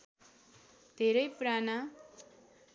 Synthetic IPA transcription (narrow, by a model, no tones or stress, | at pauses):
d̪ʱeɾʌjprana